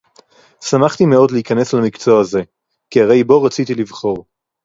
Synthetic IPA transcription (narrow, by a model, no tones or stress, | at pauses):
samaχt̪ime̞o̞dleikane̞slamikt͡so̞aze̞ | kiaʁe̞jbo̞ʁat͡sit̪ilivχo̞ʁ